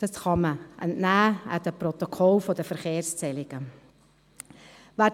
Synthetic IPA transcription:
ɑsχɑməʔɛ̰ntnæːə̰dəprɔt̪ɔkʰɔlfodəfəɾχeːɾst͡sɛlɪɡ̥ə | væ

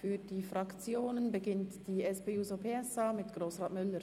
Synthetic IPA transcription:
fyːɐdiːfʁɑkt͡sjoːnənbəɡɪntd̥iːɛspeːuːzopʰeːɛsaːmɪtɡ̥ʁoːsʁaːtmʏləɾ

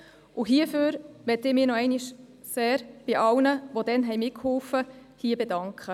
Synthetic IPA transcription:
ʔʊɦiəføːɾʋɛtɪmiːnɔɛɪniʃ | seːɾb̥ɪʔɑlnəʋod̥ɛnɦɛjmɪkhɔlfə | hiːbedɑŋkχə

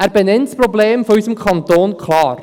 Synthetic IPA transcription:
æːɾbɛnɛntsprɔbleːmfɔysəmkʰɑnt̪oːnkʰlɑːɾ

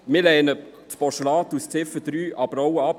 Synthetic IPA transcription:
mɪlɛːnə | t̪pɔʃəlɑːt̪ust͡sɪfəd̪̥ɾyːʔɑbəɾɔwəɑp

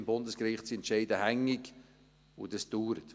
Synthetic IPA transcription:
mbʊndəskɾɪχtsiɛntʃɛɪdəhæŋːɪk | ʊd̥̪əsd̥uːɾət

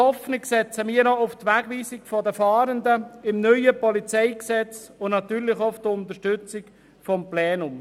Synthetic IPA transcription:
hɔfnɪksɛt͡səmiːənɔʊft̪ʋæːɡ̥ʋiːsɪkfɔd̪əfɑːɾənd̪əɪmnœʏəpɔlit͡sɛɪksɛt͡sʊnɑt̪yːɾlɪχoʊfd̥̪əʊnt̪əʃtʏt͡sɪk | fɔmplɛːnʊm

